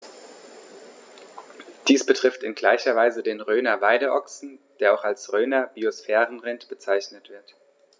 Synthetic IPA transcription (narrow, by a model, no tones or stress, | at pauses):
d̥iːsb̥ətʁ̥ɪftɪnɡlaɪçɐvaɪzədeːnʁøːnɐvaɪdəʔɔksn̩d̥eːɐaʊxalsʁøːnɐb̥iosfɛːʁənʁɪntb̥ət͡saɪçnətv̥ɪɐt